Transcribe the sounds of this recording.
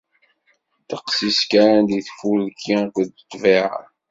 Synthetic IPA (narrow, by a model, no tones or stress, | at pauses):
t̪əqsiskaɾænd̪iθfulkʰːikʷd̪ət̪ˤːviʕa̰